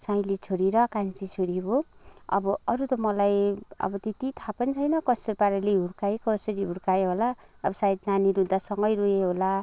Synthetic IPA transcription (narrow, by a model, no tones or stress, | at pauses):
sajlit͡sʰoɾiɾʌkant͡sit͡sʰoɾiboʌ̰bʌʌɾut̪ʌmʌlajʌ̰bʌt̪et̪it̪ʰapʌnit͡sʰʌjnʌkʌsʌɾipaɾeleɦuɾkajkʌsʌɾiɦuɾkajɦolaː | bʌsajid̪naniɾud̪asʌŋɡʌjɾueɦola